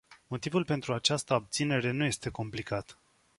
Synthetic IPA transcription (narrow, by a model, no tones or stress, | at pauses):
mo̞t̪ivulpe̞nt̪ɾuat͡ʃast̪əab̚t̪sine̞ɾe̞nuje̞st̪e̞ko̞mplikat̪